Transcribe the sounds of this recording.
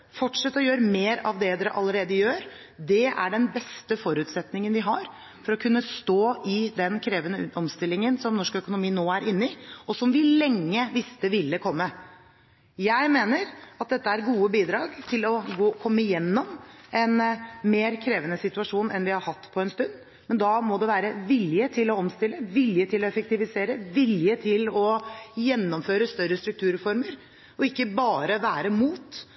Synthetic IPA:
fɔʈʂɛt̪ːɔjøːɾəmeːɾɑ̰ʋd̪ɛd̪ɛɾəʔɑlːəɾeːd̪əjøːɾ | d̪ɛæ̰ɖɛnbɛst̪əfɔɾʉːt̪sɛt̪nɪŋənʋɪɦɑɾ | fɔɾɔkʰʉnːəst̪oːɪd̪ɛnkʰɾeːʋənəɔmst̪ɪlːɪŋənsɔmnɔʂkœkʊnʊmiːnoːæɾʔɪnːɪɔsɔmʋɪlɛŋːəʋɪst̪əʋɪlːəkʰɔmːə | jæɪmeːnəɾɑt̪̚d̪ɛt̪ːəæɾɡuːəbiːd̪ɾɑːɡt̪ʰɪlɔɡoːkʰɔmːəjɛnːɔmɛnmeːɾkʰɾeːʋənəsɪt̪ʉɑʂuːnɛnʋɪhɑɾhɑt̪ːpʰɔɛnst̪ʉnd̪ | mɛnd̪ɑmɔd̪ɛʋæːɾəʋɪljət̪ʰɪlɔɔmst̪ɪlːəʋɪljət̪ʰɪlɔɛfək̚t̪ɪʋɪseːɾəʋɪljət̪ʰɪlɔjɛnːɔmføːɾəst̪œɾːəst̪ɾʉk̚t̪ʰʉːɾfɔɾməɾ | ɔɪkːəbɑːɾəʋæːɾəmuːt̪

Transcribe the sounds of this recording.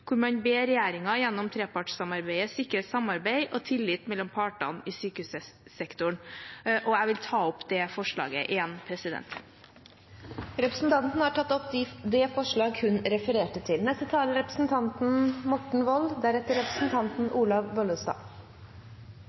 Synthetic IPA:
kʰʊɾmɑɲbeːɾɛjæːɾɪŋɑjɛnːɔmt̪ʰɾeːpɑʈssɑmɑɾbæɪəsɪkəɾəsɑmɑɾbæɪʔɔt̪ʰɪlːɪːt̪mɛlːɔmpʰɑːʈɑ̰nɪːsyːkəʉːsəsɛkt̪ʊɳʔɔæɪʋɪlt̪ʰɑːɔpːd̪ɛfɔʂɭɑ̰ːɡəʔɪjɛnpʰɾɛsɪd̪ɛ̰nt̪ | ɾɛpɾəsn̩t̪ʰɑnt̪n̩hɑʈʰɑt̪ːɔpd̪ɪd̪ɛfɔʂɭɑːɡhʉnɾɛfəɾeːʈət̪ʰɪlnɛst̪ət̪ʰɑːləɾɛpɾəsn̩t̪ʰɑnt̪n̩mɔʈɳ̩ʋɔld̪æɾɛt̪ːəɾɛpɾəsn̩t̪ʰɑnt̪n̩ʔuːlɑʋʋɔlʉst̪ɑ̰ː

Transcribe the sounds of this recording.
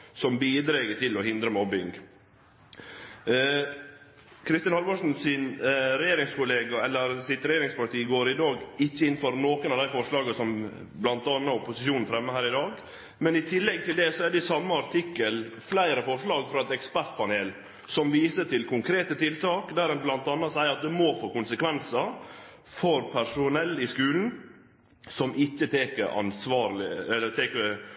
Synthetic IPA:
sɔmbiːd̪ɾeɡəʈ̪ʰɪlɔhɪnd̪ɾəmɔbɪŋ | kʰɾɪst̪ɪnhɑlmɑʂn̩sɪnɾɛjeːɾɪŋskʊleːɡɑɛlːəɾsɪt̪ɾɛjeːɾɪŋspɑt̪ʰiːɡoːɾɪd̪ɑːɡɪçːəɪnfɔɾnoːkənɑʋd̪æɪfɔʂɭɑːɡəsɔm | blɑnt̪ɑːnːəʊpːʊsɪʃuːnn̩fɾɛmːəhæːɾɪd̪ɑːɡ | mɛnɪt̪ʰɪlːɛɡ̚t̪ɪld̪ɛsɔɛɖɛsɑmːəɑɾt̪ʰɪkːəlflæɪɾəfɔʂɭɑːɡfɾɑɛt̪ɛkspæɾt̪̚pʰɑneːl | sɔmʋiːsəʈ̪ʰɪlkʰʊŋkʰɾeːt̪ət̪ʰɪlt̪ɑːkd̪æɾɛnblɑnt̪ɑnːɑsæɪəɾɑt̪̚d̪ɛmɔfoːkʊnsəkʋɛnsɑ | fɔɾpʰæɾʂʊnɛlːɪskʉːln̩ | sɔmʔɪçːət̪ʰeːkəɾɑ̰nsʋɑːɾlɪɛlːət̪ʰeːkə

